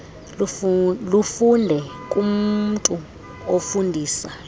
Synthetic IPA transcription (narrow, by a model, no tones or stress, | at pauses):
lufundʱɛkʼum̩tʼu | ofundʱiːsa